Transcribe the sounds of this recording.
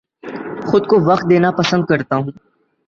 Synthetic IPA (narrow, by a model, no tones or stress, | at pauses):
xʊd̪̚koʋɐqt̪̚d̪eːnapəsə̃nd̪̚kɐɾt̪aːɦũː